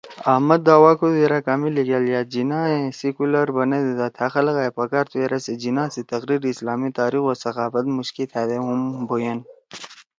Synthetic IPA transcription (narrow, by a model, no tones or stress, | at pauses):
ɐhmɐd̪ːaːwaːkozeɾakaːmiliɡaljaːd͡ʒinaːẽsikulɐɾbɐned̪ed̪at̪ʰaxɐlɣaːepɐkaːɾt̪ʰweɾased͡ʒinãːsit̪ɐɣɾiːɾislaːmit̪aːɾixosɐqaːfɐt̪muʃkit̪ʰad̪eɦumbojan